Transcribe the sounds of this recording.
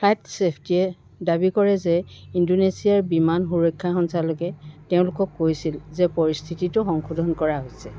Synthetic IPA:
pʰajtsepʰtijɛ | dabikɔɹɛzɛindonesijaɹbimanxuɹɔjkʰːaxɔnsalokɛteʊ̃lʊkɔkːojsilzɛpɔɹist̪ʰititʊxɔŋkʰudʱɔnkɔɹaɦojsɛ

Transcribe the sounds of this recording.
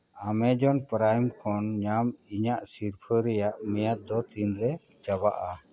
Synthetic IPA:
amɛd͡ʒɔnpɾajmkʰɔnɲamiɲaʔsiɾpʰəɾɛjaʔmɛjat̪̚d̪ɔt̪inɾɛ | d͡ʒabaʔa

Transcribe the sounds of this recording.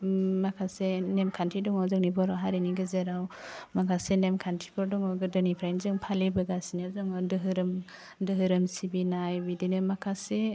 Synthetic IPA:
makʰasenemkʰantʰɾidɔŋɔzɔŋnibɔɾɔɦaɾiniɡɯzeɾawmaɡasenemkʰantʰɾipʰɔɾdɔŋɔɡɯdɯnipʰɾajnzɯŋpʰalibɯɡasiniazɔŋɔdɯɦɯɾɯm | dɯɦɯɾɯmsibinajbidinɯmakʰase

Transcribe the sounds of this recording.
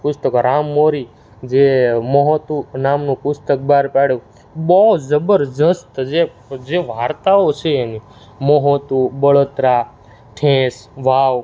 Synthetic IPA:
pʊst̪əkɾamːoɾi | d͡ʒeməɦot̪unamnũpʊst̪ək̚baɾpeɽju | bɔzəbəɾd͡ʒəst̪d͡ʒe | d͡ʒeʋaɾt̪aot͡ʃʰeːni | məɦot̪ubəɭot̪ɾa | ʈʰẽsʋaʋ

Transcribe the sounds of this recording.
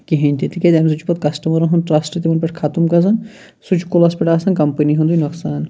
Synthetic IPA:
kiɦinʲt̪it̪ikʲed̪ʲeːms̬ut͡ʃʰu̥pɐt̪̚kɐsʈɐmɐɾɐnɦũnʈɾaːsʈit̪imɐnpɐʈʰkʰat̪umkɐzɐn | sut͡ʃʰu̥kːulɐspʲɐʈaːsɐnkɐmpəniɦũnd̪ujnɐksaːn

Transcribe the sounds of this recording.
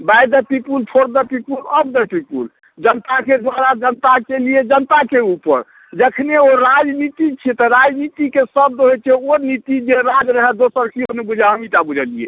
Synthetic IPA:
bajd̪əpipulpʰoɾd̪əpipuləb̚d̪əpipṵl | d͡ʒənt̪aked̪waɾad͡ʒənt̪akelied͡ʒənt̪akeupə̰ɾ | d͡ʒəkʰneoɾad͡ʒnit̪it͡ʃʰit̪ɔɾad͡ʒnit̪ikesəb̚d̪oɦet͡ʃʰeoɾnit̪id͡ʒeɾad͡ʒɾəɦɛd̪osəɾkiɦonebud͡ʒʱaɦəmiʈabud͡ʒʱəlijḛ

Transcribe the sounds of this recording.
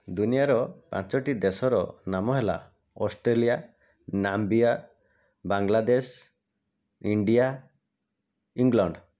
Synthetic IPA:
d̪unijaɾɔpã̰t͡ʃɔʈid̪esɔɾɔ̰namɔɦela̰ | ɔsʈɾelija | nambia | baŋlad̪es | iɳɖija | iŋɡlɔɳɖ

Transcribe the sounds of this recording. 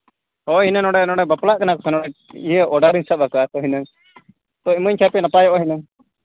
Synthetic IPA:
hɔɦinənɔɽɛnɔɽɛbaplaʔkanakɔ̥sɛnɔɽɛijəʔɔɖaɾinsap̚akat̪ɔɦinəŋ | t̪ɔiməɲkʰapɛnapajɔʔɦinəŋ

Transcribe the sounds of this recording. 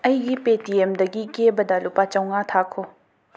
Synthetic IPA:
ɐjɡipetiemd̪ɐɡikebɐd̪ɐlupat͡ʃɐwŋat̪ʰakʰo

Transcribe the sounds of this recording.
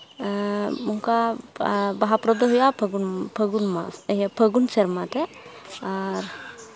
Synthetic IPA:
muŋka | baɦapɾɔd̪ɔɦujapʰɡunpʰəɡunma̰səɦjapʰəɡunsɛɾmat̪ɛ | aɾ

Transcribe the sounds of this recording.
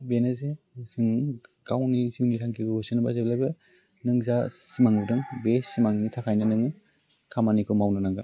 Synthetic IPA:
benaze | sɯŋɡ̥awniziwnitʰaŋkʰiɡɯusɯnbazablajbɯ | nɯŋzasimaŋudɯŋbesimaŋnitʰakʰajnanɯŋɯ | kʰamanikʰɯwmawnanaŋɡɯ

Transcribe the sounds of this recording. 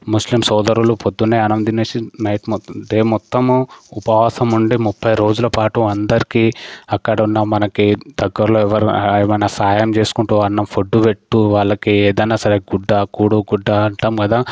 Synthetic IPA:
muslimsɔːd̪ɐɾulupʰod̪unːajɐnɐmd̪ineːt͡ʃinɐjʈmd̪eːmɔt̪ːɐmupɐʋaːsɐmuɳɖimupʰːɐjɾo̞ːd͡ʒulɐpaːʈuɐnd̪ɐɾikiɐkːɐɽɐunːɐmɐnɐkid̪ɐɡːɐɾloːɛʋɐɾɛːʋɐjnaːsaːjɐmt͡ʃe̞ːsu̥kuɳʈuʋaːɾnɐmpʰoɖːupeʈːuʋaːɭːɐkiɛːd̪ɐjnaːsɐɾeɡuɖːaːkuːɽuɡuɖːaːɐɳʈaːmkɐd̪aː

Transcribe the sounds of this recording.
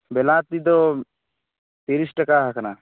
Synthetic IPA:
belãːt̪̚ːid̪o | t̪iɾisʈəkaːɦɐkʰna

